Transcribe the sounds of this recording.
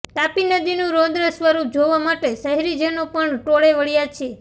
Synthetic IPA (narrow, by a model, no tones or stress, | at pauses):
t̪apinəd̪inũɾõd̪ɾəsʋəɾup̚d͡ʒoʋamaʈesəɦɾid͡ʒenopəɳʈoɭeʋəɭijat͡ʃʰe